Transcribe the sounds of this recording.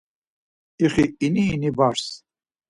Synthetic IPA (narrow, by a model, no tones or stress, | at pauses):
iχiːniːnibaɾs